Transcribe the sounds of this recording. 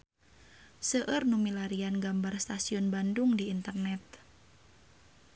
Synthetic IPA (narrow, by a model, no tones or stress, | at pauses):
səʔərnumilaɾianɡambarst̪asiɔnbandʊŋdiːnt̪ərnɛt̪̚